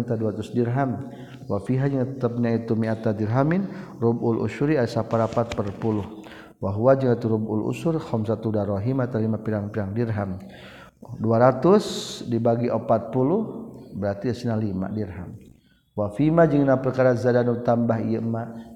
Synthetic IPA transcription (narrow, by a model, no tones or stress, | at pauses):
t̪aduaɾat̪usdirɦam | wafiɦad͡ʒəŋt̪t̪apɲait̪umiat̪ad̪irɦaminrubʊlʔṵʃuɾiaasapaɾapat̪̚pərpulʊh | waɦuwad͡ʒəŋait̪uɾubṵlṵsʊrxɔmsat̪udaɾɔɦimat̪alimapiɾaŋpidaŋdirɦam | duaɾat̪ʊsdibaɡiʔopat̪̚pulʊhbəɾart̪iəsinalima̰dirɦam | wafimad͡ʒəŋnapərkaɾazadanut̪ambaɦijama